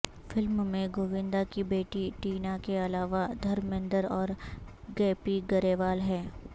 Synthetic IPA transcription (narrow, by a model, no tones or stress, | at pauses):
fɪlmmẽɡoːʋɪ̃nd̪akibeːʈiʈiːnakeɐlaːʋad̪ʱɐɾmɪ̃nd̪əɾɔːɾ | ɡɛːpiɡɐɾeːʋaːlɦɛː